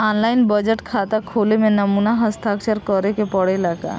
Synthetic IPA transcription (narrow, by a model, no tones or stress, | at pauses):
ɔnlaɪnbəd͡ʒəʈkʰat̪akʰolemẽnəmunaɦəst̪ʰakt͡ʃəɾkɔɾekepɔɽelaɡa̰